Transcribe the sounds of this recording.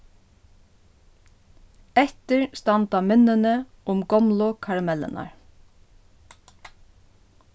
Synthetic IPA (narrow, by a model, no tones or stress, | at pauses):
ɛt̪əɹst̪ɑnt̪amɪnənə | ʊmɡɔmlʊkʰɑɹamɛlə̰nɑ̰ɹ